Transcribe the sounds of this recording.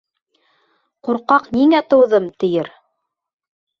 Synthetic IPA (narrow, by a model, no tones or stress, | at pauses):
quɾqɑqniŋæt̪ɤ̆wðɤmt̪ɘ̆jɘɾ